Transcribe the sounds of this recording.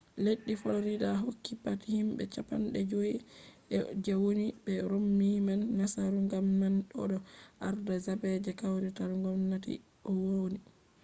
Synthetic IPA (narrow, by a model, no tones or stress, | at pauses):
leɗːifoɾidaɦokːipatihimbɛ̰t͡ʃapa̰nɗɛd͡ʒoiʔɛd͡ʒɛwonibɛɾomːimanːasaɾuŋɡamːanɗɔ̰ɗɔʔaɾdazabɛd͡ʒɛkawɾitaɾuŋɡɔmnatḭ | ʔɔwoni